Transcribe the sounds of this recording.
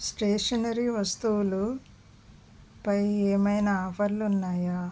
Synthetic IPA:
sʈeːʂɐnɐɾiʋɐst̪uwlu | pɐjeːmɐjnɐaːpʰɐɾlunːaːjaː

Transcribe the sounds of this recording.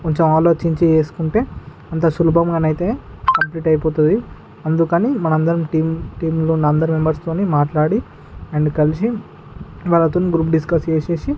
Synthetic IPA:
koɲt͡ʃemaːloːt͡ʃiɲt͡ʃieːskuɳʈe̞ː | ɐnt̪ɐsulubɐmɡaːnɐjit̪e̞ːkɐmpliːʈɐjpoːt̪und̪i | ɐnd̪ukɐniːmɐnɐmɐnd̪ɐɾɐmʈiːmʈiːmlunːɐnd̪ɐɾimembɐɾst̪oːneːmaːʈlaːɽi | ɐɳɖkɐlisi | ʋaːlːɐt̪oːniɡɾuːp̚ɖiskɐst͡ʃeːseːsi

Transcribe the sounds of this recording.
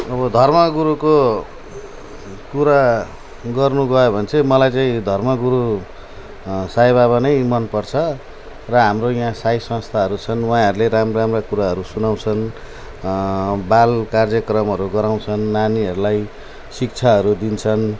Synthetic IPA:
ʌbʌd̪ʱʌrmʌɡuɾuko | kuɾa | ɡʌrnuɡʌobʱʌnt͡sʰemʌlajt͡saĩd̪ʱʌrmʌɡuɾu | sajbaβanʌjmʌnpʌrt͡sʰʌ | rʌɦamrojãsajsʌ̃st̪ʰaɦʌɾut͡sʰʌnwaãɦʌɾuleɾamramrakuɾaɦʌɾusunaw̃t͡sʰʌn | balkard͡zjʌkrʌmɦʌɾuɡʌɾaw̃t͡sʰʌnːaniɦʌɾulaj | sik̚t͡sʰaɦʌɾud̪int͡sʰʌn

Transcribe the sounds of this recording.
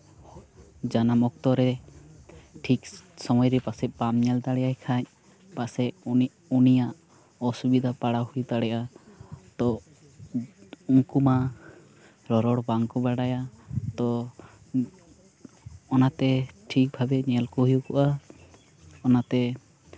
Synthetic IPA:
d͡ʒanamɔk̚t̪ɔɾɛ | ʈʰiksɔmɔjɾɛpasɛpamɲɛlt̪aɽɛjajkʰaɲ | pasɛ | unijaʔ | ɔsubid̪ʱapaɽahujt̪aɽɛjat̪ɔ | uŋkuma | ɾɔɾɔɽbaŋkɔbaɽajat̪ɔ | nat̪ɛʈʰik̚bʱabɛɲɛlkɔɦujukɔʔa | ɔnat̪ɛ

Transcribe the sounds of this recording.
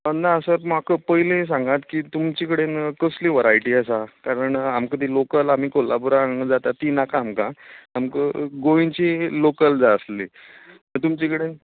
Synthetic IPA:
ənaəsəɾmakəpəɦiles̬ãŋɡat̪kiːt̪umt͡ɕikəɽenkəsliːʋəɾajʈiːəsakaɾəɳamkəd̪ʱilokəlam̤iːkolabuɾaɡəd͡zat̪at̪ːiːnakaːmkãamkəɡoʋĩnt͡ɕilokəld͡zaəsli | əɳt̪umt͡ɕikəɽe

